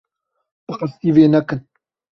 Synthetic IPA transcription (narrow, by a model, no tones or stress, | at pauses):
b̥ɨxəst̪iːveːnɛkɨn